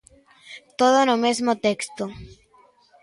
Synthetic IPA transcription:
t̪oðonomezmot̪ekst̪o

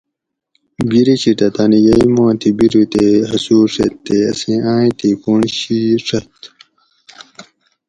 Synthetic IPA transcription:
biɾiɕiʈ̪ɐt̪anijɐimãːt̪ʰibiɾut̪eɦɐsuːʂɐt̪ːeɐsẽãːĩt̪ikoɳɕiʂɐt̪

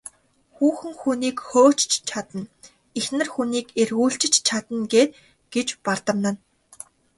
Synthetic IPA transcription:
xuːxɘ̆ŋxuniːkxoːt͡ɕt͡ɕt͡ɕʰat̪ə̆n | exnɘ̆rxuniːkerɣuːɬt͡ɕɪ̆t͡ɕt͡ɕʰat̪ə̆nɡeːt̪ | ɡ̥et͡ɕpart̪ə̆mnə̆n

